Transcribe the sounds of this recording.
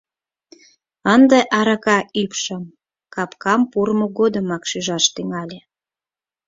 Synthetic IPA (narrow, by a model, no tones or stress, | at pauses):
ənd̪eʔɑɾɑkɑʔypʃəm | kɑpkɑmpurmoɣod̪əmɑkʃyʒɑʃt̪yŋɑlʲe